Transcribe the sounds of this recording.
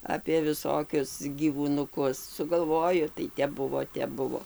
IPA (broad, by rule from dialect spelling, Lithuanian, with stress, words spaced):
ɐpʲeː ʋʲɪˈsoːkʲʊs ɡʲiːʋuːnʊˈkʊs sʊɡɐlˠˈʋoːjʊ tɐɪ ˈtʲɛp ˈbʊʋoː ˈtʲɛp ˈbʊʋoː